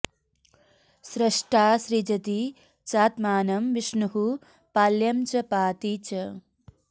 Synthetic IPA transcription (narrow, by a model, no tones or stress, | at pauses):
sɾɐʂʈʰaːʃɾid͡ʒɐt̪i | t͡ʃaːt̪maːnɐmʋiʂɳuɦu | paljɐmt͡ʃɐpaːt̪it͡ʃɐ